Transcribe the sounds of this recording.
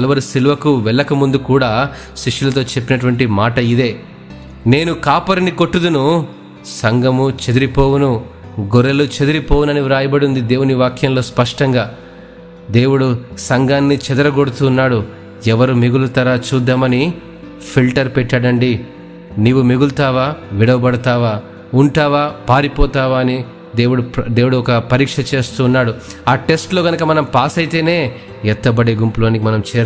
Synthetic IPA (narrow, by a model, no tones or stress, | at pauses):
ɐlɐʋɐɾisiluʋɐkuʋɛɭːɐkɐmund̪ukuːɽaː | ʃiʂulɐt̪̬o̞ːt͡ʃe̞pːinɐʈuʋɐɳʈimaːʈɐid̪e̞ː | ne̞ːnukaːpɐɾɐniko̞ʈːud̪unu | sɐŋɡɐmut͡ʃe̞d̪iɾipo̞ːwunu | ɡoɾelut͡ʃe̞d̪iɾipoːwunɐniɾaːjɐbɐɽund̪id̪e̞ːwuniʋaːkʰjɐmlo̞ːspɐʂʈɐŋɡaː | d̪e̞ːwuɽusɐŋɡaːnːit͡ʃɛd̪ɐɾɐɡoɽut̪uːnːaːɽu | ɛʋɐɾumiɡulut̪ɐɾaːt͡ʃuːd̪ːaːmɐni | pʰilʈɐɾpɛʈːɐɽɐɳɖi | niːʋumeɡult̪aːʋaːʋiɽɐʋɐbɐɽɐt̪aːʋaː | uɳʈaːʋaːpaːɾipɔːt̪aːʋaːɐni | d̪eːwuɽud̪e̞ːwuɽuɔkɐpɐɾiːkʂɐt͡ʃe̞ːst̪uːnːaːɽu | aːʈe̞sʈlo̞ːɡɐnɐkɐmɐnɐmpaːsɐjt̪e̞ːne̞ː | ɛt̪ːɐbɐɽeːɡumpulo̞ːnikimɐnɐmt͡ʃɛːɾ